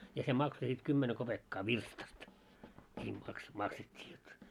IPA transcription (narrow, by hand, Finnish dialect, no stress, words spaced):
jɑ se mɑkso sit kymːene kopekːɑː ʋirstɑst nʲiː mɑks mɑksetʲːiː jot